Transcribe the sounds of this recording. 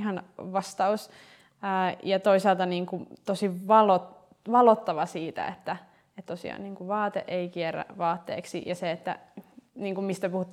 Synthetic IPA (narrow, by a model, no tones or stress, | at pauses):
hɑnʋɑst̪ɑusː | jɑt̪oisɑːlt̪ɑniːŋkut̪osiʋɑlot | ʋɑlot̪ːɑʋɑsiːt̪æ̰ḛt̪ːæ | et̪t̪osḭɑ̰ːniːŋkuʋɑːt̪ḛʔeikieræ̰ʋɑːt̪ːḛːksḭjɑseet̪ːæ̰niːŋkummist̪æpuhut̪ː